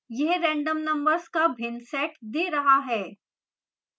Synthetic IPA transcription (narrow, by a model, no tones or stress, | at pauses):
jɛɦɾɛ̃ːɳɖəmnɐ̃mbəɾzkabʱɪnsɛːʈd̪eːɾɐɦaɦɛː